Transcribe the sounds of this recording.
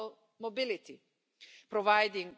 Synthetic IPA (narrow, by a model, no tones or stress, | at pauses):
l | mɔbɪlɪt̪i | pɾɔvajd̪ɪ̃ŋ